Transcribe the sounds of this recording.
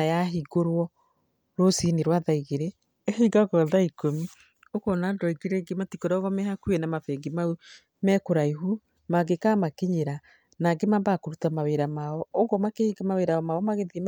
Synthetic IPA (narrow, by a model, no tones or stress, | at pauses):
ajaɦiɡoɾwɔ | ɾosineɾwaðaiɣeɾe | hiɡakwaðaikomi | okɔnandɔiɡeɾɛɡematikɔɾaɔɣɔmɛhakuɛnamafɛŋɡimau | mɛkoɾaiɦu | maɡekamakeɲeɾa | naɡemambakoɾutamaweɾamaɔɔɣɔmakehiɡamaweɾaɔmaɔmaɣeðim